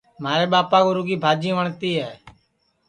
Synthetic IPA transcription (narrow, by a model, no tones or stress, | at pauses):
maːɾeːɓaːpaːɡoːɾʊɡiːbʱaːd͡ʒĩːʋəɳt̪iːɦɛː